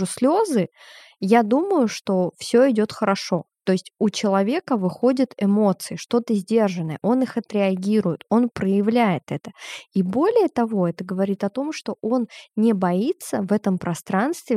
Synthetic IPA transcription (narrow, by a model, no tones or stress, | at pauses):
ɨsʲlʲo̞zɨ | jad̪uməjʊʂt̪o̞fsʲo̞ɪdʲo̞t̪xəɾɐʂo̞t̪o̞ɪsʲtʲut͡ɕɪlˠɐvʲe̞kəvɨxo̞dʲət̪ɪmo̞t̪sɨɪʂt̪o̞t̪əzʲdʲe̞rʐɨnːəjəʔo̞nɨxɐt̪ɾʲɪɐɡʲiɾʊjɪt̪o̞npɾəjɪvlʲæjɪt̪ɛt̪ə̥ibo̞lʲɪjət̪ɐvo̞ɛt̪əɡəvɐɾʲit̪ɐt̪o̞mʂt̪o̞ʔo̞nnʲɪbɐit̪səvɛt̪əmpɾɐst̪ɾanst̪vʲɪ